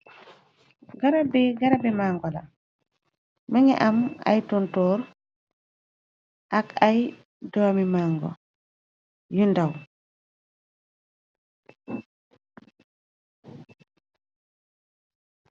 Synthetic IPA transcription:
ɡaɾabɛɡaɾabɛmaŋɡɔla̰ | məŋɛ̰ʔama̰jtɔntɔːɾ | ʔakaj | dɔamimaːŋɡɔ̰ | jundaw

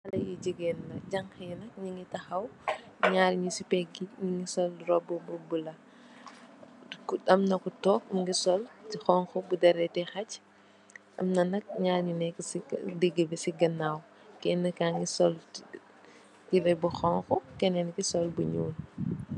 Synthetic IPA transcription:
ɐlɐjiɟiɡɛːnːɐɟɐŋxɐjɛnɐk̚ɲiŋitɐxɐw | ɲaːlɲusipɛɡiɲiŋɡisɔlɾɔbbubulɐ | kuɗɐmnɐkutɔːkmŋɡisɔltixɔŋxɔbudɛɾɛtɛxɐc | ʔɐ̰mnɐnɐk̚ɲaːlɲunɛkːsidiɡəbɛsiɡɐnːaːw | kɛnːɐkaŋɡisɔl | tilɛbuxɔŋxɔkɛnɛnkisɔlbuɲṵːn

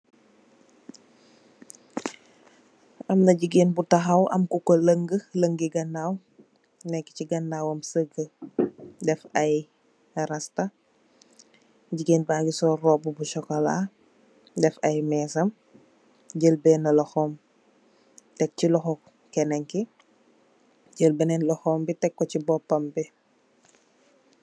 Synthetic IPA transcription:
ɐmnɐɟiɡeːnbutɐxɐwʔɐ̰mkukoləŋɡələŋɡiɡɐnːaːw | nɛkːiciɡɐnːaːwɐmsəɡə | dɛfɐj | ɾɐstɐ | ɟiɡenbaːɡisɔrɔːbubuʃɔkɐla̰ | dɛfɐjmɛːsɐm | ɟəlbɛːnɐlɐxɔːm | tɛk̚cilɔxɔ | kɛnɛŋki | ɟəlbənɛnlɔxɔːmbitɛkːɔcibɔpːɐmbi

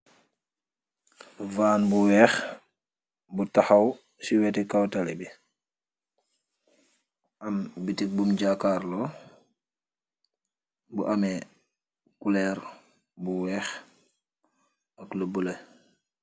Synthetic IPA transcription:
vaːnbuwɛːx | butaxɐw | siwɛtɛkawtalebi | ʔɐmbitik̚bumɟaːkaːɾlɔ | buʔɐmɛ | kulɛɾ | buwɛːx | ɐkləbule

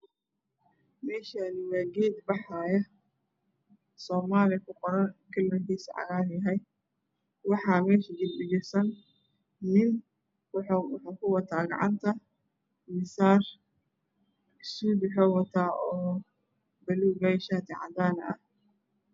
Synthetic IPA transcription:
mɛːʃaːnɪwɑːɡɛːd̪bɑħɑːjɐ | sɔːmaːlɪkʰʊqɔɾɐnkʰɐlmɐkiːsʕɑ̰ɣaːɾjɐɦɛj | wɑħɑːmɛːʃɐɡɪldɪɣɪrsɐn | nɪn | wʊħwħuːkʰʊwɑt̪ʰaːɡɑ̰ʕɑ̰nt̪ʰɐ | mɪsaːr | ɪsuːd̪ɪħɔːwɐt̪ʰaːʔɔː | bɐluːbɐʃaːt̪ʰɛʕɑ̰d̪aːnɐ̰ʔɐh

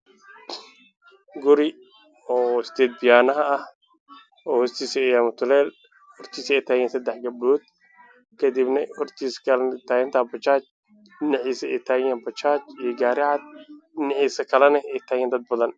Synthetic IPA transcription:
ɡʊɾɪ | ɔːsɪ̥d̪ɛːd̪̚bɪjaːnɐɦɐɐh | ɔːhʊst̪ʰiːsɛɪjaːmɐt̪ʰʊlɛːl | hɔrt̪ʰiːsɛjt̪ʰaːjɛːnsɐd̪ɛħɡɐbluːd̪̚ | kʰɐd̪ibnɐɔrt̪ʰiːskʰɐlt̪ʰaːjɛnt̪ʰaːbɐt͡ʃaːt͡ʃ | nɪʕiːsɐɛjt̪ʰaːjɛːnbɐt͡ʃaːt͡ʃijɞɡaːɾɪʕad̪̚nɪʕiːsɐkʰɐlɛnɐɛjt̪ʰaːjɛːnd̪ɐd̪̚bɐðɐn

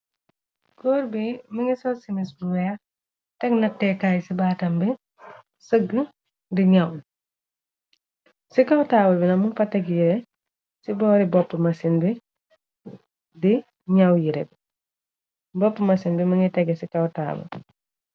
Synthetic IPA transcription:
kɔːɾbiməŋisɔsimisbuwɛ | tɛknɐtːɛkajsibaːtɐmbi | səɡə | diɲɐw | sikɐwtaːbɐlbinɐmunfɐtːɛkjiɾɛ | sibɔːɾibɔpːəmɐsinbi | di | ɲɐwjiɾɛb | bɔpːəmɐsinbiməŋitɛɡɛsikɐwta̰ːbɐ̰l

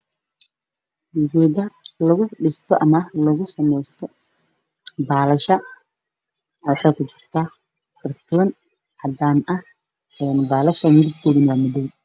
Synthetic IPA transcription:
ɣɛðɐlɐɣʊɖɪst̪ʰɔʔɐmɐlɐɣʊsɐmɛjst̪ʰɔ | baːlɐʃɐ | wɑħɑːkʰʊt͡ʃɪr̥t̪ʰaː | kʰɐrt̪ʰɔːn | ʕɐd̪aːnɐh | ɛːnbaːlɐʃɐmɪdɪbɡʊɽɪnaːmʊðɛn

